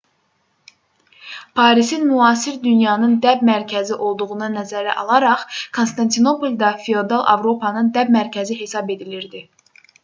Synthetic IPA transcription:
pʰɑːɾisinmyɑːsiɾd̪ynjɑnɯnd̪æbmæɾcʰæziʔo̞lˠd̪uʁunɑnæzæɾæ̰ʔɑ̰lˠɑɾɑχkʰonst̪ɑnt̪ʰino̞polʲˠd̪ɑfiod̪ɑlˠʔɑ̰vɾo̞pʰɑnɯnd̪æbmæɾcʰæziɦe̞sɑbe̞d̪iliɾd̪i

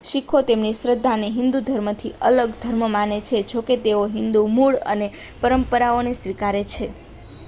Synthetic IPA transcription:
ʃikʰot̪emniʃɾəd̪ʱːaneɦɪ̃nd̪ud̪ʱəɾmət̪ʰiʔələɡd̪ʱəɾməmanet͡ʃʰed͡ʒoket̪eoɦɪnd̪umuɭə̰ne | pəɾəmpəɾaonesʋikaɾet͡ʃʰe

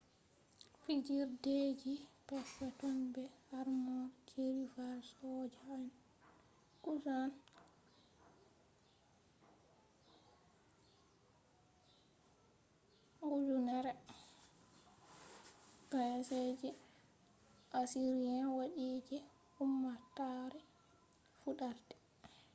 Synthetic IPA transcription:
fid͡ʒiɾded͡ʒipasːatɔnbɛhaɾmɔɾkʰeɾifaɾsɔd͡ʒaan | kusan | ɡud͡ʒunaɾɛ | kajased͡ʒi | ʔasiɾijanwaɗiːd͡ʒɛ | umːataɾɛ | fuɗaɾdɛ̥

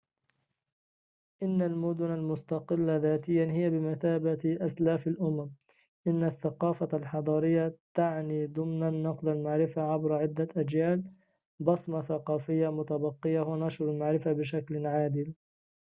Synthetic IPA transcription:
ʔɪnːalmʊd̪ʊnalmʊst̪ɑqɪlːaðaːt̪ɪjːanhɪjːabɪmaθaːbaʔaslaːfalʔʊmam | ʔɪnːaθːaqɑːfalħɑd̪ˤɑːɾɪjːat̪aʕniːd̪ʊmnanːɑqlalmaʕɾɪfaʕabɾaʕɪd̪ːaʔad͡ʒjaːl | bɑsˤmɑθaqɑːfɪjːamʊt̪abɑqːɪjahwanɑʃɾalmaʕɾɪfabɪʃaklʕaːd̪ɪl

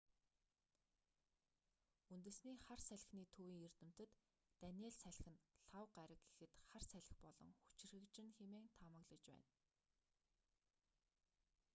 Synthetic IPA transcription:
unt̪ɘ̆sniːχarsæɮ̆ʲxniːt̪ʰuːwiːŋert̪ɘ̆m̥t̪ɘ̆t̪ː | ænʲeːɮsæɮxɘ̆nɬawɢaɾə̆kɡe̥xɘ̆t̪χarsæɮʲɪ̥̆xpɔɮɞ̰̆ŋxu̥t͡ɕɪ̆rɣɘ̆kt͡ɕɪ̆nxemeːŋt̪ʰamə̆ɣɮə̆t͡ɕpæ̰ːn

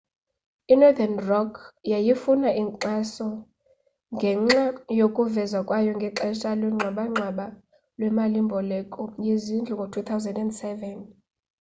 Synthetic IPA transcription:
inɔd̪anrɔkʰjajifunaiǃasɔ | ŋɡʱɛŋ͡ǁajokʼuvɛzwakʼwajɔŋɡʱɛǁɛʃalwɛŋ͡ǁʱwaɓaŋ͡ǁʱwaɓa | lwɛmalimbʱɔlɛkʼɔjezind͡ɮʱuŋɡʱotʰut̪ʰawzɛndɛndsɛvɛn

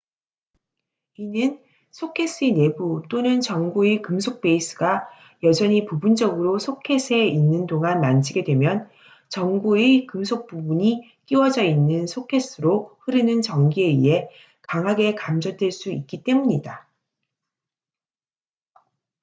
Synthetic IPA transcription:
inɯn | sʰokʰe̞s͈ʰine̞but͈onɯnt͡ɕʌŋɡuekɯmsʰok̚p͈e̞is͈ʰɯɡa | jʌd͡ʑʌɲipubund͡ʑʌɡɯɾosʰokʰe̞s͈ʰe̞inːɯndoŋanːand͡ʑʰiɡe̞dwe̞mjʌn | t͡ɕʌŋɡuekɯmsʰok̚p͈ubuɲi | k͈iwʌd͡ʑʌinːɯnsʰokʰe̞s͈ɯɾoɸɯɾɯnɯnt͡ɕʌŋɡie̞ḭɦe̞ | kaŋɦaɡe̞kamd͡ʑʌdweɭs͈uik̚k͈it͈e̞muɲida

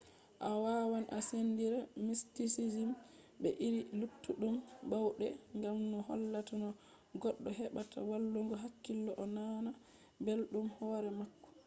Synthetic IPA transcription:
ʔawaːwanʔasendiɾamistisid͡ʒim | ɓɛʔiɾilutːuɗumbawɗɛŋɡamnɔhɔlːatanɔ | ɡɔɗːɔɦɛɓatʰa̰walːuŋɡɔɦakːilːɔʔɔnana | belɗumhɔɾɛmakːɔ̥

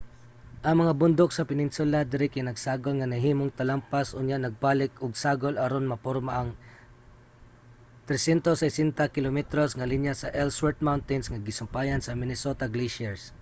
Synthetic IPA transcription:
ʔɐŋmɐŋabʊnd̪oksɐpɪnɪnsʊlad̪ɪɾɪkanɐɡsaːɡolŋɐnɐɦiːmoŋt̪ɐlampasʔʊɲjaʔnɐɡ̚paːlɪkʊɡsaːɡolɐɾonmɐpoɾmaʔɐŋ | t̪ɾɛsjɛnt̪osɛjsɛnt̪akɪlomɛt̪ɾosŋɐlinjasɐʔɛlswɛɹt̪̚mawnt̪ɪnsŋɐɡɪsʊmpaːjɐnsɐmɪnɪsot̪aɡliʃɛɹs

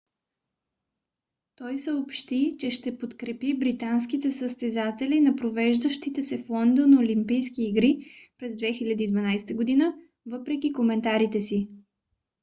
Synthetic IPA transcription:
t̪ɔjsəopʃt̪it͡ʃɛʃt̪ɛpot̪kɾɛpibɾit̪ans̬kit̪ɛsəst̪ɛzat̪ɛlinɐpɾovɛʒd̪əʃt̪it̪ɛsɛflˠɔnd̪onolimpijskiːɡɾipɾɛzd̪vɛxilʲɐd̪iːd̪vɐnajsɛ̥t̪əɡod̪inə | vɤpɾɛkʲikomɛnt̪aɾit̪ɛsi

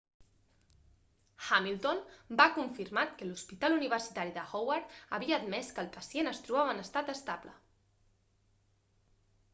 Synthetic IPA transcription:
xamilˠt̪onbakuɱfirmat̪kəluspit̪aluniβ̞ərsit̪aɾiðəxowaɾt̪ə̰βiəːd̪mɛskəlˠpəsienəst̪ɾuβaβənəst̪at̪əst̪ablə̰

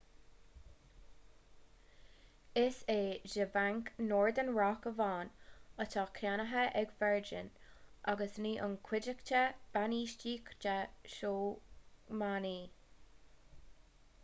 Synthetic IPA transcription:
ɪseːʒəvaŋknoːɹd̪ənɹɑkəvɑːnət̪ʰɑkʰanəɦəʔɛɡfɛɹd͡ʒɪ̰nʔaɡəsniːʔənkʰw̥ɪd͡ʒəkt͡ʃəb̥aniːʃt͡ʃiːkt͡ʃəʃoː | maniː

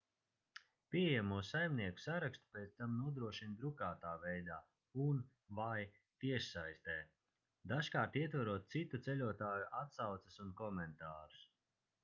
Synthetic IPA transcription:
pʲijamuɔsajmniɛku̥saɾakst̪u̥pɛːt̪st̪amnuɔd̪ɾuɔʃind̪ɾukaːt̪aːvɛjd̪aː | un | vaj | t̪iɛʃsajst̪ɛː | d̪aʃkaːɾt̪iɛt̪vaɾuɔt̪̚t̪sit̪ut̪sɛlʲuɔt̪aːjuʔat̪sawt̪sḁsunkɔmɛnt̪aːɾu̥s

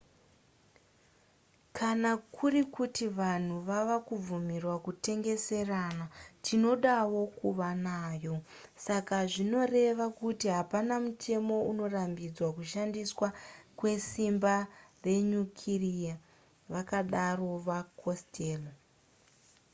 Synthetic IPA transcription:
kʰanakʰurikutiʋan̤uʋaʋakub͡vumirwakute̞ŋɡe̞se̞ranatʰino̞ɗawo̞kuʋanaːjo̞ | sakaʐino̞re̞ʋakutiɦapanamutʰe̞mo̞uno̞rambid͡zwakuʃandiswakwe̞simbare̞ɲukʰirija | ʋakaɗaro̞ʋakʰostʰeːlo

